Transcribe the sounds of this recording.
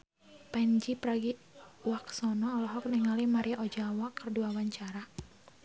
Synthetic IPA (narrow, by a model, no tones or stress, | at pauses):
pɛnd͡ʒipɾaɡi | waksɔnɔːlɔɦɔk̚niŋalimaɾiaʔɔd͡ʒawakərduawaɲt͡ʃaɾa